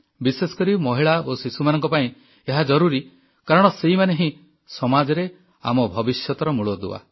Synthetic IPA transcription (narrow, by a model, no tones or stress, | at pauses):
bisesɔ̥kɔɾimɔɦiɭaosisumanɔŋkɔpaĩ | eɦad͡ʒɔɾuɾi | kaɾɔɽ̃ɔseimaneɦĩ | sɔmad͡ʒɔɾe | a̰mɔbʱɔbisjɔt̪ɔɾɔmuɭɔd̪ua̰